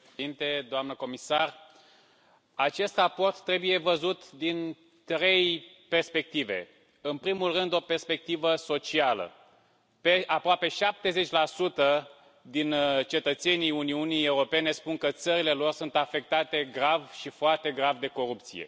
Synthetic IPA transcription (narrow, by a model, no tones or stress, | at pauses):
int̪e̞d̪oamnəko̞misar | at͡ʃe̞st̪rapo̞rt̪ːɾe̞buje̞vəzut̪d̪in | t̪ɾe̞j | pe̞rspe̞k̚t̪ive̞̰ | ɨnpɾimulrɨnd̪o̞pe̞rspe̞k̚t̪ivəso̞t͡ʃialə̰ | peapɾoape̞ʃap̚t̪e̞ze̞t͡ʃʲlasut̪ə | d̪int͡ʃe̞t̪ət̪se̞niuniunije̞uɾo̞pe̞ne̞spuŋkət̪səɾile̞lo̞rsunt̪afe̞k̚t̪at̪e̞ɡɾavʃifoart̪e̞ɡɾavd̪e̞ko̞ɾupt̪sije̞̰